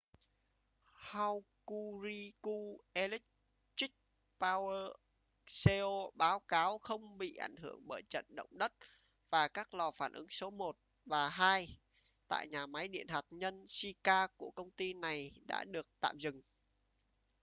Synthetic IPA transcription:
ha˧wku˧zi˧ku˧ʔe˧li˦˥k̚ | ti˦˥k̚ | paː˧wəː˧ | se˧o˧ɓaː˨˦wkaː˨˦wxə˧wŋ͡mɓḭ˧˨ʔa̰˧˩jŋ̟ɦɨ˧˩əŋɓəː˧˩jt͡ɕə̰˧˨nɗə̰˧˨wŋ͡mɗə˦˥t̚ | v̥aː˨˩kaː˦˥k̚lɔ˨˧˩faː˧˩nʔɨ˨˦ŋso˨˦mo˨˩t̚ | vaː˨˩ɦaː˧j | t̪a̰ː˧˨jɲaː˨˩ma˨˦jɗḭ˧˨ənɦwaː˨˩t̚ɲə˧nsi˧kaː˧ku˧˩əkə˧wŋ͡mt̪i˧na˨˩jɗa̰ː˧˥ɗɨ˨˩ək̚t̪a̰ː˧˨mzɨ˨˩ŋ

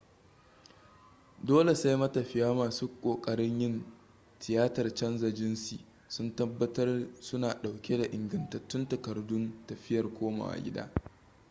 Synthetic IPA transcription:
doː˦le˨sa˦jmɐ˦tɐ˨ɸɪ˦jaː˦maː˨suː˦kʷʼoː˨kʼɐ˦ɾɪ˦ɲjɪ˦n | tʰɪ˨jaː˦tɐ˨rt͡ʃɐ˦nzɐ˨d͡ʒɪ˦nsḭ˨ | sʊ˦ntɐ˦bːɐ˦tɐ˦rsʊ˦naː˨ɗa˨wkʲʰe˦da˨ʔɪ˨ŋɡɐ˨ntɐ˨tːʊ˦ntɐ˨kɐ˨rdʊ˦ntɐ˨ɸɪ˦jɐ˨rkʷoː˦ma̰ː˨ʔa̰˨ɡʲɪ̰˦da̰ː˦

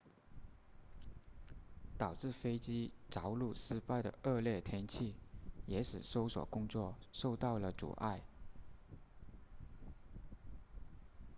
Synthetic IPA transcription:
t̪ɑ˨˩ʊʈ͡ʂɻ̩˥˩fe˥ɪt͡ɕi˥t͡sɑ˧˥ʊlu˥˩ʂɻ̩˥pa˥˩ɪd̪ə̰˩ə˥˧ljɛ˥˩t̪ʰjɛ˥nt͡ɕʰi˥˩jɛ˧˥ʂɻ̩˨˩ʂo˥ʊswɔ̰˨˩kʊ˥ŋt͡swɔ˥˧ʂo˥˧ʊt̪ɑ˥˩ʊlə˩t͡sṵ˨˩ʔa˥˩ɪ

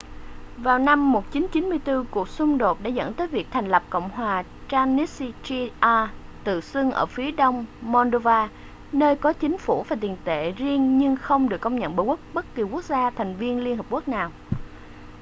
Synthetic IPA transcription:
vaː˨˩wna˧mːo˨˩t̚t͡ɕi˨˦nt͡ɕi˨˦nmɨ˧əjt̪ɨ˧ku˨˩ək̚sʊ˧ŋ͡mɗo˨˩t̚ɗa̰ː˧˥zə̰˧˥nt̪əː˨˦jvi˨˩ək̚t̪ʰɛ˨˩jŋ̟lə˨˩p̚ko̰˧˨wŋ͡mɦwaː˨˩ | t͡ɕaː˧ni˦˥st͡ɕi˧ʔaː˧t̪ɨ̰˧˨sɨ˧ŋʔə̰ː˧˩fi˨˦əɗə˧wŋ͡mmo˧nɗo˧vaː˧ | nəː˧jkɔ˨˦t͡ɕï˨˦ŋ̟fu˧˩vaː˨˩t̪i˨˩ənt̪ḛ˧˨zi˧ənɲɨ˧ŋxə˧wŋ͡mɗɨ˨˩kːə˧wŋ͡mɲə̰˧˨nɓə˨˩kə˦˥k̚ɓə˦˥t̚ki˨˩ku˦˥ək̚zaː˧t̪ʰa˨˩jŋ̟vi˧ənli˧nɦi˨˩p̚ku˦˥ək̚naː˨˩w

